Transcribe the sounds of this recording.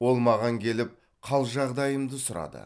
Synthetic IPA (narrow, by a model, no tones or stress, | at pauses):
wo̞lˠmɑʁɑŋkʲʰe̞lɪp̚ | qʰɑlˠʒɑʁd̪ɑjəmd̪əsʊɾɑ̰d̪ə̰